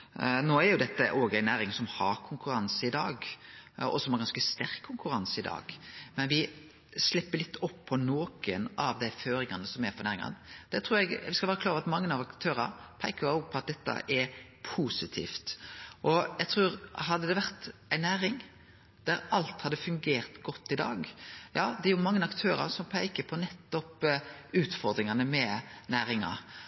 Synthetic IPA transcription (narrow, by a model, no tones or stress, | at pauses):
noːæɾjʊd̪ɛt̪ːəʔoːɡæɪnæːɾɪŋsɔmhɑɾkʰʊŋkʉɾɑnsəɪd̪ɑːɡ | ɔ̰sɔmhɑɾɡɑnskəst̪æɾkkʰːʊŋkʉɾɑnsəɪd̪ɑ̰ːɡ̥mɛnʋɪ | slɪpːəɾlɪt̪ːɔpʰːɔnoːkənɑʋd̪æɪføːɾɪŋɑnːəsɔmæɾpɔɾnæːɾɪŋɑ̰nd̪̥ɛt̪ʰɾuːɾɛɡʋɪskɑlʋæːɾəkʰlɑːɾʋɑt̪mɑŋːənɑʋɑkt̪ʰøːɾɑpʰæɪkəɑɡpʰɔɑt̪̚d̪ɛt̪ːɑ̰ʔɛɾpʰuːsɪt̪ʰḭːft̪ʔɔjæɪt̪ʰɾʉːɾɦɑd̪ːəd̪ɛʋæʁt̪æɪnæːɾɪŋ | d̪̥æɾɑlt̪hɑd̪əfʉŋɡeːɾt̪ɡɔt̪ːɪd̪ɑ̰ːɡjɑːd̪ɛɛɾjʊmɑŋːənɑkt̪ʰøːɾɑ̰ɾsɔmpʰæɪkəpʰɔnɛt̪ːɔpʉːt̪fɔɾd̪ɾɪŋɑnəmɛnæːɾɪŋɑ̰